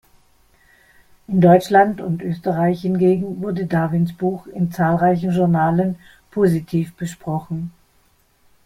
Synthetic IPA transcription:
ʔɪndɔʏt͡ʃlantʊntʔøːstəʁaɪçhɪnɡeːɡŋ̩vʊɐdədaːvɪnsb̥uːxɪnt͡saːlʁaɪç̬n̩ʒʊɐnaːlən | pʰoːzitʰiːfb̥əʃpʁ̥ɔχn̩

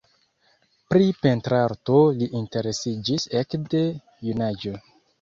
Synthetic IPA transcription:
pɾipe̞ntɾaɾto̞liʔinte̞ɾe̞sid͡ʒisekde | junad͡ʒo̞

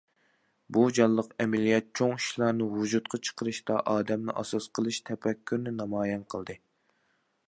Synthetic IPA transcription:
bud͡ʒɑlˠːəqɛmɛlijɛt̪̚t͡ʃʰoŋiʃlˠɑɾnɨwud͡ʒut̪qʰɑt͡ʃʰə̥qʰəɾɨʃt̪ɑʔɑːd̪ɛmnɨ̰ʔɑsɑsqʰəlˠɨʃt̪ʰɛpɛkʲʰːyɾnɪnɑmɑːjɛnqʰəlˠd̪ɨ

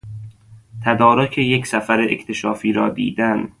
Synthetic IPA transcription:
t̪ʰæd̪ɒːɾokʰejecsæfæɾeʔḛct̪ʰe̞ʃɒːfiːɾɒːd̪ḭːd̪æn

